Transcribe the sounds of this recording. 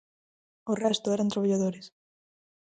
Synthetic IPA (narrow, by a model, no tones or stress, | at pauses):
orɛst̪ʊɛɾant̪ɾoβaʎaðoɾɪs